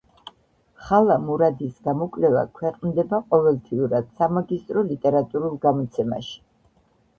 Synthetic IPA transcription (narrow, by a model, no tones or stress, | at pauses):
χalˠamuɾad̪isɡamɔkʼlɛva̰kʰwɛqʼnd̪ɛbaqʼɔvɛlˠt̪ʰiuɾad̪̥samaɡist̪ʼɾɔlit̪ʼɛɾat̪ʼuɾulˠɡamɔt̪sʰɛma̰ʃi̥